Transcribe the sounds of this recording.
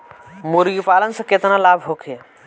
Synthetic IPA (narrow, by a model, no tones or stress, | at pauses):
muɾɡipalənsə̃ket̪nalaːbʱɦokʰi